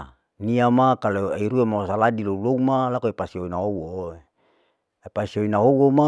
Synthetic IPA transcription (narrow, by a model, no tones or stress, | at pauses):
niamakaloaiɾuemasaladilouloumalakoepasioinaɦowo | pasioinaɦowoma